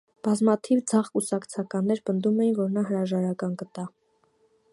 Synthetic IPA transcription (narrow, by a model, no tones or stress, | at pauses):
b̥ɑzmɑt̪ʰivd͡zɑʁkusɑkt͡sʰɑkɑnːɛɾpənd̪umɛjinvɔɾnɑɦəɾɑʒɑɾɑkɑnɡət̪ɑ